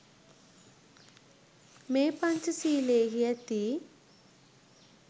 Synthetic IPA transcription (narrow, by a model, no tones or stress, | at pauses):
meːpɐɲt͡ʃusiːleːɦijɐt̪i